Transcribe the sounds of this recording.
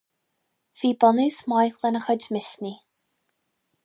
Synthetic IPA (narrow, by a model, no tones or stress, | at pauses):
v̥iːbɔnɨsmajθlɛnəχɔd͡ʒmɪʃni